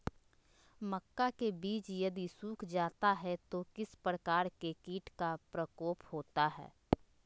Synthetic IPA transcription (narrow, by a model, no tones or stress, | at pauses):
məkːakebiːt͡ʃjɐd̪isuːkʰd͡ʒaːt̪aɦɛt̪okɪspɾəkaːɾkekiːʈkapɾəkoːphoːt̪aɦɛ̰ː